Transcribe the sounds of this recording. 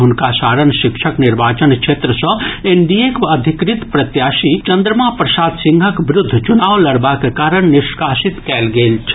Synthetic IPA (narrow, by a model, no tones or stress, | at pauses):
ɦʊnkasaːɾənʃikʃʰəkniɾbaːt͡ʃənkʃʰeːt̪ɾəsə̃eɳɖiekəd̪ʱikɾit̪pɾət̪jaːsit͡ʃɐnd̪ɾəmãpɾəsaːd̪sĩŋɡʱəkʋɾʊd̪ʱːt͡ʃunaːʋlɐɽbakekaːɾəɳ̃niʃkaːsit̪kɛːlɡeːlt͡ʃʰ